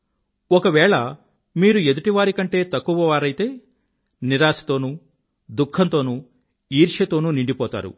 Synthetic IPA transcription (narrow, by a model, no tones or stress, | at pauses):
ɔkɐʋɛːɭɐ | miːɾue̞d̪uʈiʋaːɾikɐɳʈe̞ːt̪ɐkːuʋɐʋaːɾɐjit̪e̞ː | niɾaːsi̥t̪o̞ːnuː | d̪ukʰːɐnt̪o̞ːnu | iːɾʂɐt̪o̞ːnuniɳɖipɔːt̪a̰ːɾṵ